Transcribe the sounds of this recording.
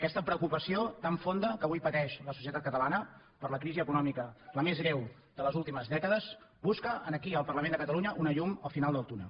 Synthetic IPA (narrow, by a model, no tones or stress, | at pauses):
kɛst̪əpɾəukupəsiot̪aɱfond̪əkəβujpət̪ɛʃləsusiət̪at̪kət̪əlanə | pəɾləkɾiziəkunɔmikələmezɣɾɛw | d̪ələzulˠt̪iməzðɛkəðəz | buskəʔənəkiəlˠpərləmẽnd̪əkət̪əluɲəʔunəʎuməlˠfinalˠd̪əlˠt̪unə̰